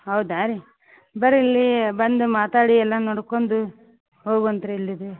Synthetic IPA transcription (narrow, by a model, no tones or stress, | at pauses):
ɦɐwd̪aːɾi | bɐɾilːibɐnd̪umaːt̪aːɽiɛlːɐnoɽkond̪u | ɦoːɡuɐnt̪ɐɾeilːid̪u